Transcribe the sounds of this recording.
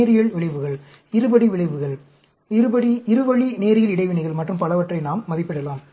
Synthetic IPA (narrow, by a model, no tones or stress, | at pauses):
ɾɪjɐɭʋɪɭɐɪʋɯɣɐɭ | ɪɾɯbɐɽiʋɪɭɐɪʋɯɣɐɭ | ɪɾɯbɐɽiɪɾɯʋɐɭineːɾɪjɐlɪɽɐɪʋɪɳɪɣɐɭmɐʈːrɯmpɐlɐʋɐʈrɐɪnaːmːɐðɪpːɪɽɐlaːm